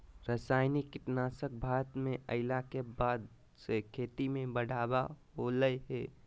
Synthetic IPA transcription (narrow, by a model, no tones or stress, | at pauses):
ɾəsaːɪnikːɪʈnaːsək̚bʱaːɾət̪mẽʔəɪlakebaːd̪ | sekʰeːt̪imẽbəɽ̤ʱaːbaɦoləjɦɛː